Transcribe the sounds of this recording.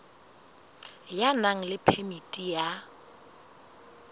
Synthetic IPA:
janaŋ̩lɪpʰemitʼija

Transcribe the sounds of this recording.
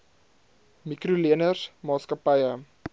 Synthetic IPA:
mikruliənəsmɑːskəpɐjə

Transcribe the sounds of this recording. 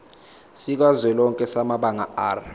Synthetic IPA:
sik̬azwɛlɔŋkʼɛsamaɓaŋaaːr

